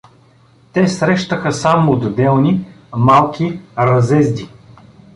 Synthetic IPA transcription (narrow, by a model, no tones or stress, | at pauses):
t̪ɛsɾɛʃt̪əxəsamod̪ːɛlˠnimalˠkʲiɾɐzɛzd̪i